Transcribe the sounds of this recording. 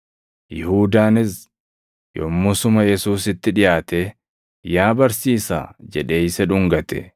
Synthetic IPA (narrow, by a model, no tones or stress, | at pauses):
jɪhuːd̪aːnɪs | jɔ̰mːʊsʊmɐjɛsuːsɪt̪ːɪᶑɪjaːt̪e | jaːbɐɾsiːsa̰ːd͡ʒɛᶑe̞ːɪsɛᶑʊŋɡɐt̪ɛ̰